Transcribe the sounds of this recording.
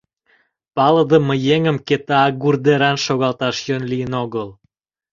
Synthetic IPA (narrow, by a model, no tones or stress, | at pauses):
pɑləd̪əməjeŋəmket̪ɑːɡurd̪eɾɑnʃoɣɑlt̪ɑʃjønlijənoɣəl